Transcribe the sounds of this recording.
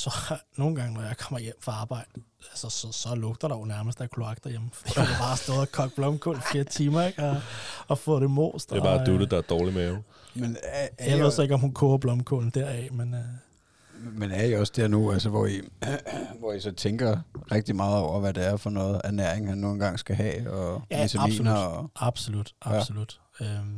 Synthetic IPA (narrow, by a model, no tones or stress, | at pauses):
sɒ̽no̝ːn̩ɡ̥ɑ̈ŋənɒjɑ̈ɪkʰɒ̽m̰ɐjem̰fʁɑ̈ɑ̈ːb̥ɑ̈ɪ̰d̥ə | ælsəsɒsɒ̽lɔ̽ɡ̥̚d̥ɐɾ̥ɑʊnæɐməsd̥æɐkʰloɑ̈ɡ̥d̥ɐjeməfid̥idɑb̥ɑ̈ːsd̥ɔ̽ːðˠɒkʰɒ̽ɡ̥̚b̥lɒ̽mkʰo̰ːl̩fleːɐt͡sʰiːmɐeɡ̥ɒːfɔ̰ːɾ̥e̝mo̰ːsd̥ʁbɑ̈ːd̥ud̥əd̥ɑ̈æɐd̥ɒːlimɛʊ | menæjɑɪe̝ð̞̰ˠsɒ̽e̝ɡ̥ɒ̽mhunkʰoːɐb̥lɒ̽mkʰo̰ln̩d̥æɐ̰ɛmen | menæɐiɒ̽sd̥eɐ̰nuælsəʋɒi | ʋɒisɒ̽t͡sʰeŋɡ̥ɐʁeɡ̥̚d̥imɑ̈ːð̞̩ˠɒʊ̰ɐʋæd̥eæɐfɒ̽nɔ̽ːð̩ˠæɐnæɐ̰eŋhænːo̝ːn̩ɡ̥ɑ̈ŋ̰sɡ̥æɦɛ̰ːɒʋit͡sʰæḭːnɐdɒɑ̈b̥solud̥ɑ̥̈solud̥ | øm